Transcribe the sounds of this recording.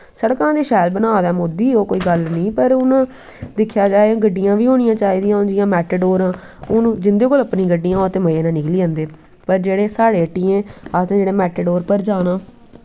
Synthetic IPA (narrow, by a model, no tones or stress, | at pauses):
səɽkãːd̪eːʃɛːlbənaːd̪aːmod̪iːoːkoːiːɡəlnĩːpəɾʊnãː | d̪ɪkʰːjaːd͡ʒaːeãːɡəɖːɪjãːʋiːɦoːñɪjãːt͡ʃaːiːd̪ijãːʊnd͡ʒɪjãːmɛːʈəɖoːɾãː | ʊñːd͡ʒɪnd̪eːkoːləpnĩːɡəɖːijãːt̪eːməeːnãːnɪkliːə̃ːnd̪eː | pəɾd͡ʒeːɽeːsaːɽeːəʈːiẽːaːsẽd͡ʒeːɽẽːmɛːʈəɖoːɾpəɾd͡ʒaːnãː